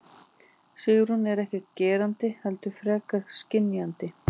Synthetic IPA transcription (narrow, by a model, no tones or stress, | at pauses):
siːjʏɾhunːɛɾɛhcɛt̪cɛːɾant̪ɪhɛlt̪ʏfɾɛːkascɪnːjant̪ɪ